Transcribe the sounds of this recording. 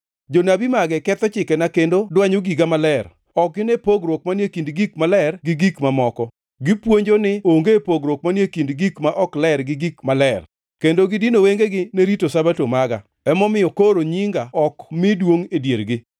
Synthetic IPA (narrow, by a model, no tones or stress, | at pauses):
d͡ʒonabimaɡɛkɛt̪ɔt͡ʃɪkɛnakendodwaɲoɡiɡamalɛr | ɔk̚ɡɪnepoɡɾok̚manjekindɡikmalɛrɡɪɡikmamɔkɔ | ɡɪpwoɲd͡ʒonɪoŋɡepoɡɾok̚manjekindɡikmaʔɔklɛɾɡɪɡikmalɛr | kendoɡɪdinoweŋɡeɡɪneɾitosabatomaɡa̰ | ɛmɔmɪjɔkoɾoɲiŋɡaɔkmɪdwoŋedjeɾɡɪ